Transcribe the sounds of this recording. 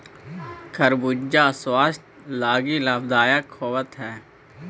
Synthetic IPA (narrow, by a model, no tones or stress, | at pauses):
kʰəɾbud͡ʒd͡ʒaswaːst̪ | laːɡilaːbd̪aːjakʰoːʋət̪ɦɛː